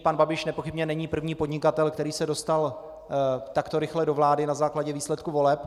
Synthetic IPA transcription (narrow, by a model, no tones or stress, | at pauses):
panbabɪʃnɛpo̞xɪbɲɛnɛɲiːpr̩vɲiːpo̞dɲɪkat̪ɛlkt̪ɛɾiːsɛdo̞st̪al | t̪akt̪o̞ɾɪxlɛdo̞vlaːdɪnazaːklaɟɛviːslɛt̪kuvo̞lɛp